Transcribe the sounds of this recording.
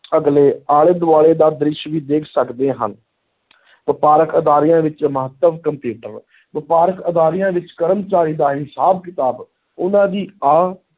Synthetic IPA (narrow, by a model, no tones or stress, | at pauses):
əɡleːaːɭed̪ʊaːɭeːd̪aːd̪ɾɪʃʋiːd̪eːkʰsəkd̪eːɦə̰n | ʋɪpaːɾəkəd̪aːɾɪjãːʋɪt͡ʃməɦət̪ːəʋkəmpjuːʈəɾ | ʋɪpaːɾəkəd̪aːɾɪjãːʋɪt͡ʃkəɾəmt͡ʃaːɾiːd̪aːɦɪsaːb̚kɪt̪aːb | ʊnãːd̪iːaː